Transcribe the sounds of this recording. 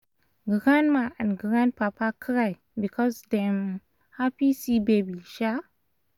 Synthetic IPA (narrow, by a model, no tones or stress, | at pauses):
ɡəɡãnmaʔãnɡɾãnpapakʰɾaj | bikʰɔsdɛm | hapisibebiʃa